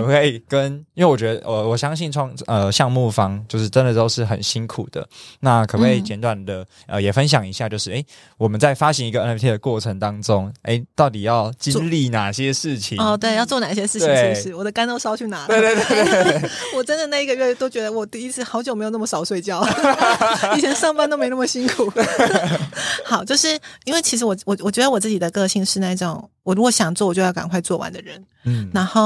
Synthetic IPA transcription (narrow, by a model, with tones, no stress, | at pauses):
ə˨˩xwe˥˩ɪkə˦ni˥we˥˩wɥɛ˧˥d̪ə̰˧ʔə˧wɔ˨˩ɕjɑ˥ŋɕi˥˧nʈ͡ʂʰwɑ˥˧ŋə˧ɕjɑ˥˧ŋmu˥˩fɑ˥ŋt͡ɕjo˥˧ʊʂɻ̩˥˩ʈ͡ʂə˦nd̪ə˨t̪o˥ʊʂɻ̩˥˩xə̰˨˩nɕi˦˥nkʰu˨˩d̪̥ə̰˦na˥˩kʰɤ˨˩we˥˩ɪt͡ɕjɛ˧˦˥nt̪wa˨˩nd̪ə˩ | ʔə˧jɛ˨˩fə˦nɕ̬jɑ˨˩ŋi˧˥ɕja˥˧t͡ɕjo˥˧ʊʂɻ̩˥˩ʔe˥ɪ | wɔ˨˩mə˨˦nt͡sa˥˩ɪfa˦ɕi˧˥ŋi˧˥ɡə˧ɛ˧˥nɛ˥ft̪ʰi˥d̪ə˨kwɔ˥˩ʈ͡ʂʰə˧ŋt̪ɑ˥ŋʈ͡ʂʊ˦ŋḛ˥˩ɪt̪ɑ˥˩ʊt̪i˨˩jɑ˥˩ʊt͡ɕi˥nli˥˩na˨˩ɕjɛ˦ʂɻ̩˥˩t͡ɕʰḭ˨˦ɔ˥˧t̪̬we˥˧ɪjɑ˥˧ʊt͡swɔ˥˩na˨˩ɕjɛ˥ʂɻ̩˥˩tʰwie˨˥ŋ˥˧ɻ̩˥˩wɔ˨˩d̪ə˦ka˥no˥˧ʊsɑ˥ʊt͡ɕʰy˥˩na˨˧˦we˥˧ɪt̪we˥˧t̪we˥˧t̪we˥˧˩wɔ˨˩ʈ͡ʂə˦˥nd̪ə˨na˥˩i˧˥ɡə˧ɥɛ˥˧˩t̪o˥ʊt͡ɕɥɛ˧˥d̪ə˧wɔ˨˩t̪i˥˧i˥t͡sʰɹ̩˥˩xɑ˧ʊt͡ɕjme˧˥ɪjo˨˩nə˥˩mə˩ʂɑ˨˩ʊswe˥˧ɪt͡ɕjɑ˥˧ʊ˨˩ | t͡ɕʰjɛ˧˥nʂɑ˥˧ŋpa˥nt̪o˥ʊme˧˥ɪna˥˩mə˨˩ɕi˥ŋkʰu˨˩˦ | xɑ˨˩ʊt͡ɕjo˥˧ʊʂɻ̩˥˩i˥nwe˥˩t͡ɕʰi˧˥ʂ̬̩˧˥wɔ˨˩wɔ˨˩wɔ˨˩t͡ɕɥɛ˧˥d̪ə˧wɔ˨˩t͡sɹ̩˥˩t͡ɕi˨˩d̪ə˩˦kɤ˥˧ɕi˥˧ŋʂɻ̩˥˧na˥˧i˥˩ʈ͡ʂʊ̰˨˩˦ŋwɔ˨˩ɻu˧˥kɔ˨˩˦ɕjɑ˨˩ŋt͡swɔ˥˩wɔ˨˩t͡ɕo˥˧jɑ˥˩ka˨˩nkʰwa˥˧ɪt͡swɔ˥˩wa̰˧˦nd̪ə˨ɻə˧˦n | na˧˥nxo˥˩ʊ